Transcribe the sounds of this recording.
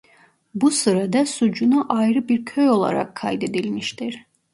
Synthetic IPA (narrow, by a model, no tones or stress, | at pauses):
busɯɾad̪asud͡ʒunuʔajɾɯbiɾkʰøjo̞lˠa̰ɾa̰kʰːa̰jd̪e̞d̪ilʲmiʃt̪ʰiɾ̥